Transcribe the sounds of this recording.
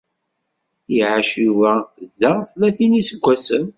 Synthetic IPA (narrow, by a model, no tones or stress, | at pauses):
jiʕaʃuvæðæʁflæθinisəɡʷːæsəm